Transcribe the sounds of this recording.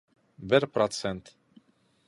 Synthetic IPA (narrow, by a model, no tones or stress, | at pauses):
bɛɾpɾɔt̪sʰɛnt̪